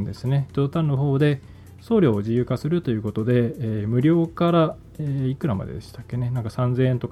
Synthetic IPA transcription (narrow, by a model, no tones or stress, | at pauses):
nd̪e̞sɨne̞̥t̪od̪ot̪ãnːo̞ɦo̞ːd̪e̞ | so̞ːɾʲjo̞ːoʑijɯ̟ːkasɨɾɯ̟t̪o̞jɯ̟ːko̞t̪o̞d̪e̞ːmɯ̟ɾʲo̞ːkaɾa | eikɯ̟ɾama̰d̪ḛd̪e̞st̪akːe̞ne̞nãŋkasãnd͡zẽ̞ːent̪o̞k